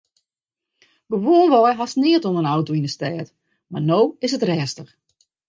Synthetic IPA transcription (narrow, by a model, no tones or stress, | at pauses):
bəʋoəlˠʋɔjɦasnɪətonənawtoinəstɛːt | marnoːɪsətrɛːstəx